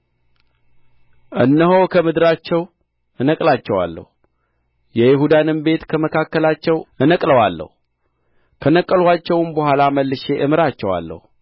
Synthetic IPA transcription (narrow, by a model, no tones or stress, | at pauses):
ʔɨnːəɦokʰəmɨd̪ɨɾat͡ʃːɛw | ʔɨnəkʼlat͡ʃːɛwa̰lːə̰hu | jɛjɪɦud̪anɨmbe̞t̪kʰəməkʰakːəlat͡ʃːɛwʔɨnəkʼləwalːə̰hu | kʰənəkʼːəlwat͡ʃːɛwnbəɦʷalaməlːɨʃe̞ʔɨmɨɾat͡ʃːɛwa̰lːə̰hu